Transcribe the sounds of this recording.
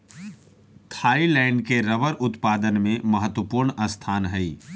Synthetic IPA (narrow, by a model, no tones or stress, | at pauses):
t̪ʰaːilɛːɳɖkeɾəʋəɾʔʊt̪paːd̪ənmẽməɦət̪wəpuːɾɳəst̪ʰaːnɦɛiː